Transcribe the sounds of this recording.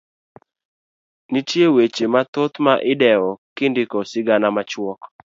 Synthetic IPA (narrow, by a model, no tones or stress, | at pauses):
nitjewet͡ʃemat̪ot̪maʔɪdɛɔkɪndɪkɔsɪɡanamat͡ʃwɔk